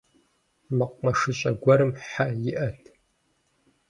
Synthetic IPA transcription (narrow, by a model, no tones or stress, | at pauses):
mɨqʷmɐʂɨɕʼɐɡʷɔɾɨmħajɪʔɐtʰ